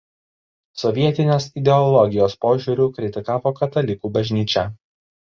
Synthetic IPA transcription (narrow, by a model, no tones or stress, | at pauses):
sɔʋʲiɛt̪ʲɪnʲoːsɪd̪ʲɛɔlˠɔɡʲɪjoːspoːʒʲuːɾʲuːkɾʲɪt̪ʲɪkɑːʋoːkɐt̪ɐlʲɪkuːbɐʒʲnʲiːt͡ʃʲɛ